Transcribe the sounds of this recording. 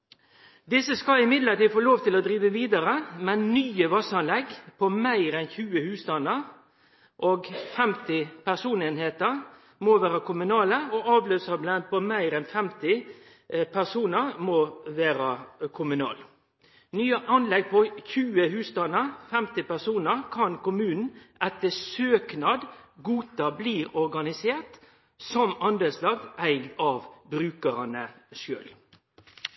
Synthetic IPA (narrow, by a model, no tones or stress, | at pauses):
d̪ɪsːəskɑlɪmɪd̪ləʈiːd̪foːloːʋt̪ʰɪlɔd̪ɾiːʋəʋiːd̪əɾəmɛnnyːəʋɑsɑnlɛɡpʰɔmæɪɾɛnçʉːəhʉːst̪ɑnːəʁ | ʔoːɡfɛmt̪ɪpæsuːneːnheːt̪əʁ | moʋæːɾɑkʰʊmʉnɑːləɔɑːʋløːsɑblɛnd̪̚pʰɔmæɪɾɛnfɛmt̪ɪ | pʰæsuːnəʁmoʋæːɾɑkʰʊmʉnɑ̰ːl | nyːɑʔɑnlɛɡ̚pʰɔçʉːəhʉːst̪ɑnəfɛmt̪ɪpæsuːnəɾkʰɑnkʊmʉːnn̩ɛt̪ːəsøːknɑd̪ɡuːt̪ɑbliːɾɔɾɡɑnɪseːʁt̪ | sɔmɑnd̪əslɑɡ̚d̪ʔæɪɡd̪ɑːʋbɾʉːkəʁɑnəʃø̰ːl